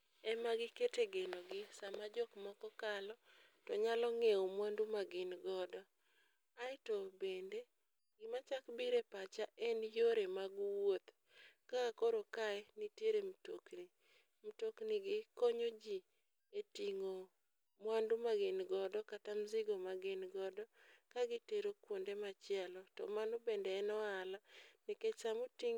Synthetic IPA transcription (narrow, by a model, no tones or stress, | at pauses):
ɛmaɡɪketeɡenoɡɪsamad͡ʒɔkmɔkɔkalɔ | tɔɲalɔŋeomwandumaɡɪnɡɔdɔ | aɪtobende | ɡɪmat͡ʃakbiɾepat͡ʃaʔɛnjoɾemaɡwot̪ | kakoɾokaɛnitjeɾemtokni | m̩tokniɡɪkoɲod͡ʒi | etiŋo | mwandumaɡɪnɡɔdɔkatamziɡomaɡɪnɡɔdɔkaɡɪteɾokwondemat͡ʃɪɛlɔtɔ̰manobendeːnɔalanɪket͡ʃamutiŋ